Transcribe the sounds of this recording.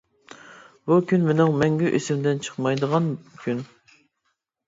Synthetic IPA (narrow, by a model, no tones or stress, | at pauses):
bukʲynmenɨŋmɛŋɡʲyʔesɪmd̪ɪnt͡ʃʰə̥χmɑjd̪əʁɑnkʲʰyn